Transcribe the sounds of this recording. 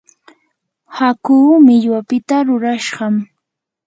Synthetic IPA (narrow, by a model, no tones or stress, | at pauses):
hakuːmɪʎwapɪt̪aɾʊɾaʃɢɑm